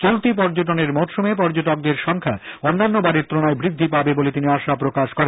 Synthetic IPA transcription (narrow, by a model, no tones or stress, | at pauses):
t͡ɕolt̪ip̬ɔɾd͡ʑoʈ̬oneɾmɔt̪ʃomep̬ɔɾd͡ʑoʈok̚d̪eɾʃɔŋkʰaonːanːobaɾiɾt̪ɾonaebɾid̪ʱːipabebolet̪iniaʃapɾokaʃkɔɾen